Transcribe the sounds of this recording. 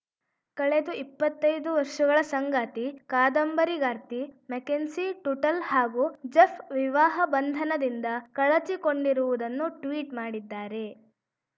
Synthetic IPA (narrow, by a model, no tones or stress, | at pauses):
kɐɭed̪uʔipːɐt̪ːɐjd̪uʋɐɾʂɐɡɐɭɐsɐŋɡaːt̪ikaːd̪ɐmbɐɾiɡaːɾt̪imekensiʈuʈɐlhaːɡuːd͡ʒepʰʋiʋaːɦɐbɐnd̪ʱɐnɐd̪ind̪ɐkɐɭɐt͡ʃiko̞ɳɖiɾuʋud̪ɐnːuʈʋiːʈmaːɽid̪ːaːɾe̞